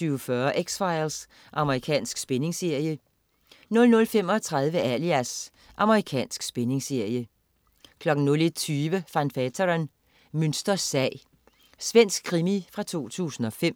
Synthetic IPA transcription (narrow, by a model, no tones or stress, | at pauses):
yʊfɶɐʔeɡ̥sfɑ̈ɪls | ʔɑ̈məʁikʰɛ̰ːnsɡ̥sb̥ene̝ŋse̝ɐ̰jə | nɔ̽lnɔ̽lfem̰ɒ̽t͡sʰʁɑ̈ð̞ˠʋəæliæs | ʔɑ̈məʁikʰɛ̰ːnsɡ̥sb̥ene̝ŋse̝ɐjə | kʰlɒ̽ɡ̥n̩nɔ̽le̥t͡sʰyːʋəfænfæt͡sʰɐʁn | mønsd̥ɐsɛɪ | sʋen̰sɡ̥̚kʰːʁimifʁɑ̈t͡sʰo̝̰ːt͡sʰṵːsn̩ɒ̽fem̰